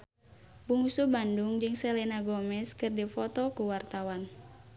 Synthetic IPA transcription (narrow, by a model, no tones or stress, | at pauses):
buŋusubandʊŋd͡ʒɨŋsɛlinaɡomɛskɨrdifɔt̪ɔkuwart̪awan